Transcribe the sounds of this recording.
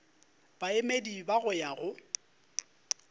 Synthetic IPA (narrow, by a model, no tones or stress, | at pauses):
b̥aemedibaɣʊjaɣʊ